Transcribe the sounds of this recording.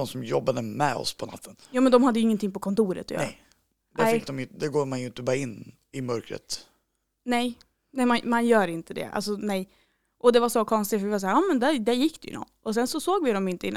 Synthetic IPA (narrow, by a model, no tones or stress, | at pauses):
ɔmsɔmjɔbːad̪əmɛ̰ɔ̰spʰɔna̰t̪ʰːənjuːmɛnd̪ɔmhad̪ːjɵɪŋːənt̪ʰɪŋpɔkʰɔnt̪uːɾə̰t̪ʰːjɛ̰ | d̪ɛɪkːd̪ɔmjd̪ɛɡoːɾmanjɵɪnt̪əbɑːɾaɪnː | ɪmœɾkɾə̰t̪ | nɛj | nɛmanmanjœːɾɪnt̪əd̪ɛ̰ʔa̰lsɔnɛj | ʔɔd̪ɛvaʂɔkʰɔnst̪ɪtfœɾvɪvas̬ahːɑːmɛnd̪æɾd̪æɾjɪkːd̪ɛjɵ̰nɔ̰nːɔs̬ɛnsɔsoːɡvɪd̪ɔmjɪnt̪əɪnː